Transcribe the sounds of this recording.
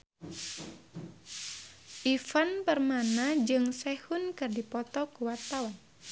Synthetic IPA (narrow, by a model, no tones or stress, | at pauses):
ʔifanpərmanad͡ʒɨŋsɛhunkɨrdipɔt̪ɔkuwat̪awan